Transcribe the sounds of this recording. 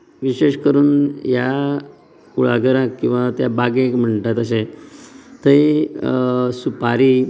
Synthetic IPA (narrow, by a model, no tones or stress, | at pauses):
ʋiɕeʂkəɾuːnja | kuɭa̰ɡəɾãkkːĩw̃ʋat̪jabaɡẽkm̤əɳt̪at̪əs̬e | t̪əi | supaɾiː